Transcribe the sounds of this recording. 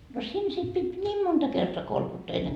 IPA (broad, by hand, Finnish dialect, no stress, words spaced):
no siːn sit pit nʲiːm montɑ kertoɑ kolkutːɑː enːeŋ